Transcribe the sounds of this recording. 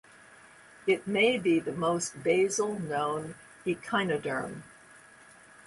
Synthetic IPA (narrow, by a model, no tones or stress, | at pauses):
ɨt̚meɪbiðɨmoʊst̚b̥eɪzl̩ˠnõʊ̃n | ikʰãɪ̃nɨdə̰̃˞m